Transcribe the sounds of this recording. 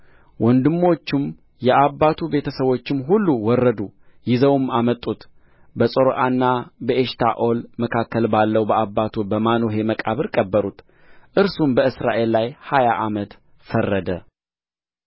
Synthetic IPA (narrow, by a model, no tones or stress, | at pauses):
wʔɔnd̪ɨmːo̞t͡ʃːɪm | jɛʔabːat̪ʰube̞t̪ʰəsəβo̞t͡ʃːɪmɦulːuwɔrːəd̪ujɪzəwmamət̪ʼːut̪ | bəsʼoɾoʔanːabəeʃt̪ʰa̰ʔo̞lməkʰakːəlbalːəwbəʔabːat̪ʰubəmanoɦe̞məkʼaβɨɾkʼəbːəɾut̪ | ʔɨɾsumbəɨsɾa̰ʔe̞lːajhajaʔamət̪ | fərːəd̪ə